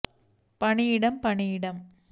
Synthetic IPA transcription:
pɐɳɪjɪɽɐmpɐɳɪjɪɽɐm

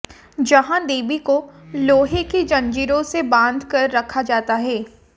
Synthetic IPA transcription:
d͡ʒɐɦãd̪eːbikoloːɦeked͡ʒɐ̃nd͡ʒiːɾõsebãːnd̪ʱkɐɾːɐkʰad͡ʒaːt̪aɦɛː

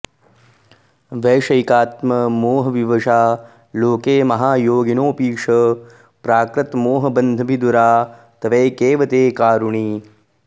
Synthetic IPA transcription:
ʋeːʃɐjkaːt̪mɐmoːɦɐʋiʋɐʂaː | loːkeːmɐɦaːjoːɡinoːpiːʂɐ | pɾaːkɾɐt̪moːɦɐbɐnd̪ʱɐbʱid̪uɾaː | t̪ɐʋeːkeːʋɐt̪eːkaːɾuɳiː

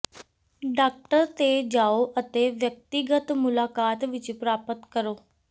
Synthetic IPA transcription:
ɖaːk̚ʈəɾt̪eːd͡ʒaːoːʔət̪eːʋjək̚t̪ɪɡət̪mʊlaːkaːt̪ʋɪt͡ʃpɾaːpət̪kəɾoː

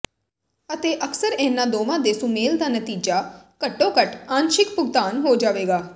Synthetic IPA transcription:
ət̪eːʔəksəɾɛ̃ːnːãːd̪oːʋãːd̪eːsʊ̃meːld̪aːnət̪iːd͡ʒaːkəʈːõːkəʈaːnʃɪkpʊɡ̚t̪aːnɦoːd͡ʒaːʋeːɡaː

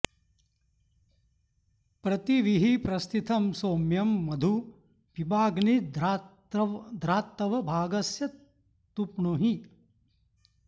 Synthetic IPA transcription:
pɾɐt̪iʋiɦipɾɐst̪it̪ʰɐmsoːmjɐmːɐd̪ʱu | ʋibaːɡnid | d̪ɾaːt̪ːɐʋɐbʱaːɡɐsjɐ | t̪upɳuɦi

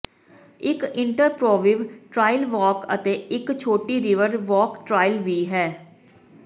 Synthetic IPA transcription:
ɪkɪɳʈəɾpɾoːʋɪʋʈɾaːɪlʋɔːkə̰t̪eːɪkt͡ʃʰoːʈiːɾɪʋəɾʋɔːkʈɾaːɪlʋiːɦɛː

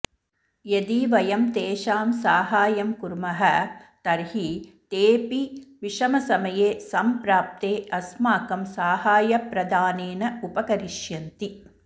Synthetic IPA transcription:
jɐd̪iːʋɐjɐmt̪eːʃaːmsaːɦaːjɐmkuɾmɐɦɐt̪ɐɾɦit̪eːpiʋiʂɐmɐsɐmɐjeːsɐmpɾaːp̚t̪eːɐsmaːkɐmsaːɦaːjɐpɾɐd̪aːneːnɐupɐkɐɾiʃjɐnt̪i

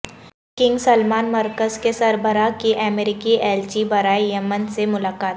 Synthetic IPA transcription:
kɪ̃ŋɡsɐlmaːnmɐɾkəzkesɐɾbəɾakiʔɛmeːɾɪkiɛːlt͡ʃibɐɾaːejɐmənsemʊlaːkaːt̪

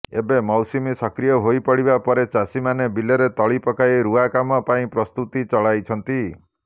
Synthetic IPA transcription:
ebemɔwsimisɔkɾijɔɦojpɔɽibapɔɾet͡ʃasimanebilɔɾet̪ɔɭipɔkaiɾuakamɔpaĩpɾɔst̪ut̪it͡ʃɔɭajt͡ʃʰɔnt̪i

